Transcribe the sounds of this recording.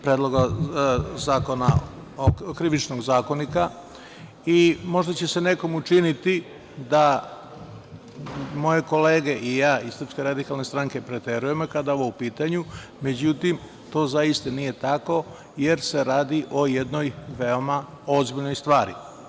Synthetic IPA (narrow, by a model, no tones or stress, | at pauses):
pɾeːd̪lˠo̞ɡa | zaːko̞na | okɾiʋit͡ʃnoɡzaːko̞nika | imo̞ʒd̪at͡ɕe̞se̞ne̞ko̞mut͡ʃinit̪i | d̪a | mo̞je̞ko̞le̞ːɡe̞ʔijaːisɾrpske̞ɾad̪ikalnest̪ɾaŋke̞pɾet̪e̞ɾuje̞mokad̪ao̞ʋoupiːt̪aɲume̞d͡ʑut̪im | t̪o̞ːzajist̪anije̞t̪ako̞ | je̞ɾse̞ɾaːd̪iʔo̞jed̪no̞jʋeo̞ma | o̞zbiʎno̞jst̪ʋaːɾḭ